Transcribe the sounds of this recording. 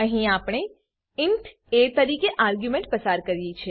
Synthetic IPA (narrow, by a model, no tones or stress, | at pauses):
əɦĩaːpɽ̃ɳ̃e | ɪɳʈ | et̪əɾikeʔaːɾɡjumẽɳʈ̚pəsaɾkəɾjet͡ʃʰe